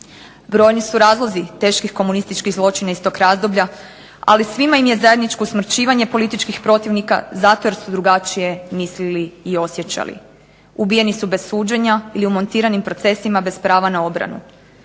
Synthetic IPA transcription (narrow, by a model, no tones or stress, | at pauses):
bɾo̞ːjnisuɾaːzlˠo̞zit̪e̞ʃkixko̞munist̪it͡ʃkiɣzlˠo̞t͡ʃinaist̪o̞kɾaːzd̪o̞bʎa | a̰lisʋimaimje̞zaje̞d̪nit͡ʃkousmɾ̩t͡ɕiːʋaɲe̞po̞lit̪it͡ʃkixpɾo̞t̪iʋnika̰zat̪o̞je̞ɾsud̪ɾuɡat͡ʃije̞misliliːo̞sje̞t͡ɕa̰lḭ | ubije̞nisube̞suːd͡ʑe̞ɲailiumo̞nt̪iːɾanimpɾo̞t̪se̞simabe̞spɾaːʋanao̞bɾa̰nṵ